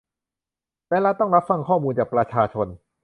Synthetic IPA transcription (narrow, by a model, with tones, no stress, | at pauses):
lɛː˦˥la˦˥t̪ɔ˥˩ŋɾa˦˥p̚fa˧˩ŋkʰɔː˥˩muː˧nt͡ɕaː˨˩k̚pɾa˧t͡ɕʰaː˧t͡ɕʰo˧n